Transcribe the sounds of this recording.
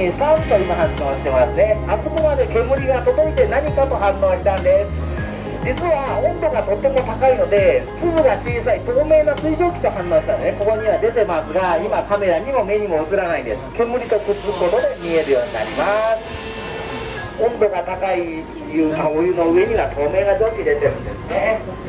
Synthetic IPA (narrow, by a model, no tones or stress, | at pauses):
sant̪oimaɦãnːõːɕi̥t̪e̞masɨne̞asɨmomad̪e̞kʲe̞mɯ̟ɾʲiɡat̪o̞d̪o̞it̪e̞naɲ̟ikat̪o̞ɦãnːõːɕi̥t̪ãnd̪e̞sɨ̥ | d͡ʑit͡sɨβaõ̞nd̪o̞ɡat̪o̞t̪ːe̞mo̞t̪akaino̞d̪e̞ɸɯ̥t͡sɨbɯɡat͡ɕiːsait̪o̞ːme̞ːnasɨiɡʲo̞ːkʲi̥t̪o̞hãnːõːɕi̥t̪anone̞ko̞ko̞ɲ̟iβad̪e̞t̪e̞masɨɡaimakame̞ɾaɲ̟imo̞me̞ɲ̟imo̞ɯ̟t͡sɨɾanaĩnd̪e̞sɨ̥kʲe̞mɯ̟ɾʲit̪o̞kɯ̟t͡sɨkot̪od̪emʲie̞ɾɯ̟jo̞ːɲ̟ina̰ɾʲimasɨ̥ | õ̞nd̪o̞ɡat̪akai | jɯ̟ːkaojɯno̞ɯ̟e̞ɲ̟iβat̪ʰo̞ːme̞ːɡad̪o̞ːɕid̪e̞t̪e̞ɾɯ̟̃nd̪e̞sɨne̞